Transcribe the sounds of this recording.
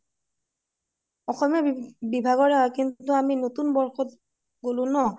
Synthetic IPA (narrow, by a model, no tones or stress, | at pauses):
ɔxɔmijɔbibʱaɡɔɹaɦɔkintuaminotunbɔɹxɔt | ɡolʊ̃nɔ